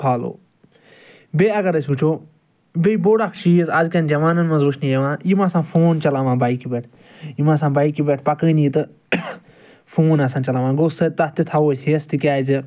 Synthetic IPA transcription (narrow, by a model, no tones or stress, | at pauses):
pʰaːlo̰ː | beːɐɡɐɾɐsʲut͡ʃʰoː | beiboːɽɐkʰʃiːəsɐzkɐnd͡ʒɐʋaːnɐnmɐ̃nzuʃnijɐʋãːjimãːsãːfʰoːnt͡ʃɐlãːʋãːbaːikibeːʈʰ | jimãːsãːbaːikibeʈʰpɐkə̃ːniːt̪ɨ | fʰoːnɐsãːnt͡ʃɐlãːʋãːɡoːsɐt̪ɐt̪it̪ʰɐoːsɦest̪ikʲaːzɨ